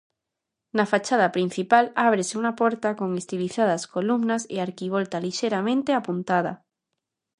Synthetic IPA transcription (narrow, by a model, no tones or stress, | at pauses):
nafat͡ʃað̞apɾin̟θipalaβ̞ɾeseunapoɾt̪akoŋest̪iliθaðaskolumnasḛaɾkiβ̞olt̪aliʃeɾamẽnt̪eapunt̪aða